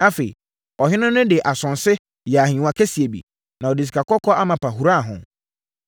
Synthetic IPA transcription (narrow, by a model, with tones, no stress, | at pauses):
a˦fe˨ḭ˨ | ɔ˨ɦɪ̃˦nʊ̃˦nʊ̃˦dɪ˨ʔa˨sʊ̃˨nsɪ˦ | jɛ˨a˨ɦĩ˨wã˨kʰe˦si˨e˨bḭ˨ | nã˨ɔ˨di˨s̬i̥˨kʰa˨kɔ˦kʰɔ˦a˦mã˨pʰa˨ɦu˨ɾa˦˨ɦʊ̰̃˨